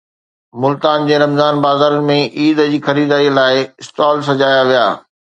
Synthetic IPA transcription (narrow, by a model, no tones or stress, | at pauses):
mʊlt̪aːnd͡ʑeːɾɐmzaːnbaːzaːɾənɪ̆mẽʔiːd̪əd͡ʑiːxɐɾiːd̪aːilaːɪɪst̪aːls̬ɐd͡ʑaːjaʋija̰ː